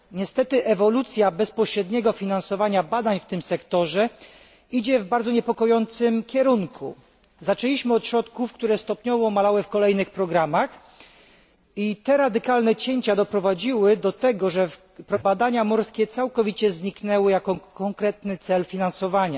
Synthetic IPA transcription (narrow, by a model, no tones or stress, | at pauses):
ɲɛst̪ɛt̪ɘʔɛvɔlut̪sʲjabɛspɔɕɾɛd̪ɲɛɡɔfʲinansɔvaɲabad̪aɲft̪ɘmsɛkt̪ɔʐɛ | id͡ʑɛvbaɾd̪zɔɲɛpɔkɔjɔnt̪sɘmkʲɛɾuŋkʰṵ | zat͡ʂɛlʲiɕmɘɔt̪ɕɾɔt̪kufkt̪uɾɛst̪ɔpɲɔvɔmalawɘfkɔlɛjnɘxpɾɔɡɾamax | it̪ɛɾad̪ɘkalnɛt͡ɕeɲt͡ɕad̪ɔpɾɔvad͡ʑiwɘd̪ɔt̪ɛɡɔʐɛf | pɾɔbad̪aɲamɔɾskʲɛt̪sawkɔvʲit͡ɕɛzɲiknɛwɘjakɔkɔŋkɾɛt̪nɘt̪sɛlfʲinansɔvaɲa